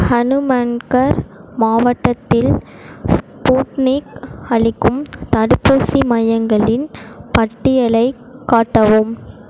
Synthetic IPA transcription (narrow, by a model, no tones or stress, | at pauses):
hɐnɯmɐnkɐɾmaːʋɐʈːɐt̪ːɪl | spuːʈniːkɐɭɪkːɯmt̪ɐɽɯpːuːsimɐjɐŋɡɐɭɪnpɐʈːɪjɐɭɐɪ | kːaːʈːɐʋɯm